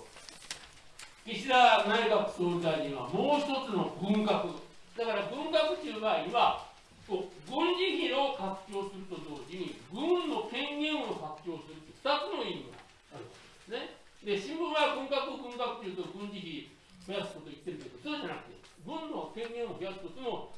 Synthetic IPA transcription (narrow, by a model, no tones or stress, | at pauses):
ɡ̥ʲiɕiɾanaiɡakɯ̟̥soːzaiɲiβa̰moːçi̥t̪o̞t͡sɨno̞ɡɯ̟̃ŋɡakɯ̟d̪akaɾaɡɯ̟̃ŋɡakɯ̟tɯːɡaɲiβa | soɡɯ̃ɲd͡ʑiçio̞kakɯ̟̥t͡ɕo̞ːsɨɾɯ̟t̪o̞d̪o̞ːʑiɲ̟iɡɯ̟̃nːo̞kẽ̞ŋɡẽ̞ɰo̞kakɯ̟̥t͡ɕo̞ːsɨɾɯ̟t̪ːe̟̥ɸɯ̥t̪at͡sɨno̞imiɡa̰ | aɾɯ̟ko̥t̪odd̪esɨne̞ | d̪e̞ɕĩmbɯ̃maaɡɯ̟̃ŋɡakɯɡɯ̟̃ŋɡakɯ̟t̪ːejiɯt̪oɡɯ̟̃ɲ̟d͡ʑiçi | hojasɨ̥ko̞t̪o̞it̪ːe̞ɾɯ̟ke̞d̪osoːd͡ʑanakɯ̟t̪e̞̰ | ɡɯ̟̃nːo̞kẽ̞ŋɡẽ̞ɰ̃ohojasɨ̥t̪ot͡sno̞